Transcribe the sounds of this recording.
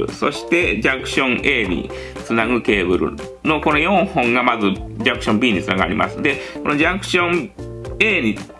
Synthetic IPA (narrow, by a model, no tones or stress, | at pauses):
ɯ̟̰so̞̰ɕi̥t̪e̞d͡ʑakɯ̟̥ɕõ̞ŋʔe̞ːɲ̟ḭ | t͡sɨnaɡɯ̟ke̞ːbɯ̟ɾɯ̰ | no̞ko̞no̞jõ̞ɰ̃hõ̞ŋɡamazɨd͡ʑakɯ̟ɕõmbʲiːɲ̟it͡sɨnaɡɯ̟a̰ɾʲimʔa̰sɨd̪e̞ko̞nod͡ʑakɯ̟̥ɕõ̞ | e̞ːɲ̟i